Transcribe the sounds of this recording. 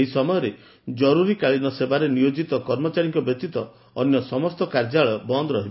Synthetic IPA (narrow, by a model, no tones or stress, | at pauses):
eɦisɔmɔjɔɾe | d͡ʒɔɾuɾikaɭinɔsebaɾenijod͡ʒit̪ɔkɔɾmɔt͡ʃaɾiŋkɔbjɔk̚t̪it̪ɔː | njɔsɔmɔst̪ɔkaɾd͡ʒaɭɔbɔnd̪ɔɾɔɦibɔ